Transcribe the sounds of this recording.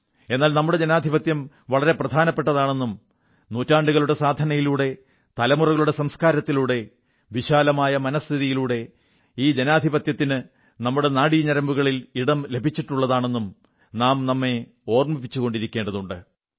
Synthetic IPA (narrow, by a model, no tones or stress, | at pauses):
e̞nːaːlnɐmːuɽe̞d͡ʑenaːd̪ʱibɐt̪jɐm | ʋɐɭɐɾe̞prɐd̪ʱaːnɐpːe̞ʈːɐðaːɳe̞nːum | noːtːaːɳɖuɣɐɭuɽesaːd̪ʱɐnɐjiluːɽe̞ | t̪ɐlɐmurɐɣɐɭuɽe̞sɐmskaːɾɐt̪ːiluːɽe̞ | ʋiɕaːlɐmaːjɐmɐnɐst̪ʰiðijiluːɽe̞ | iːd͡ʑenaːd̪ʱibɐt̪jɐt̪ːinɨ | nɐmːuɽe̞naːɽiɲɐɾɐmbuɣɐɭiliɽɐmle̞bʱit͡ɕːiʈːuɭːɐðaːɳe̞nːum | naːmnɐmːe̞ | o̞ːrmɐpːit͡ɕːuɣo̞ɳɖiɾikʲːe̞ːɳɖɐðuɳɖɨ